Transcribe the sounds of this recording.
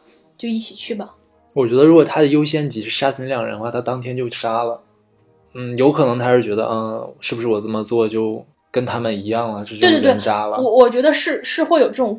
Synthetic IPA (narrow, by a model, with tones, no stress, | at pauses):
t͡ɕjo˥˧ʊi˥˩t͡ɕʰi˨˩t͡ɕʰy˥˩bɐ˩ | wɔ˨˩t͡ɕɥɛ˧˥d̪ə˧ɻu˧˥kwɔ˨˩t̪ʰa˥d̪ə˨jo˥ʊɕjɛ˥nt͡ɕi˧˥ʂ̩˥˩ʂa˥t͡sʰə˥n˥jɑ˨˩ŋ˩ɻə̰˧˥n˥xwa˥˩t̪ʰa˥t̪ɑ˥ŋt̪ʰjɛ˥nt͡ɕjo˥˩ʊʂa˥lə˨ | n̩˥˩jo˧˥ʊkʰɤ˨˩nɤ˧˥ŋt̪ʰa˥ʂɻ̩˥˩t͡ɕɥɛ˧˥d̪ə̰˧ʔə˧ʂɻ̩˥˩buʂɻ̩˥˩wɔ˨˩t͡sə˨˩mə˩t͡swɔ˥˩t͡ɕjo˥˩ʊ | kə˥nt̪ʰa˥mə˨ni˧˥jɑ˥˩ŋlə˩t͡ɕo˥˩t͡ɕt̪t̪wʂa˥lə˧ɔ˧wɔ˨˩t͡ɕɥɛ˧˥d̪ə˧ʂɻ̩˥˧ʂɻ̩˥˧xwe˥˩ɪjo˨˩ʊʈ͡ʂɤ˥˩ʈ͡ʂʊ˨˩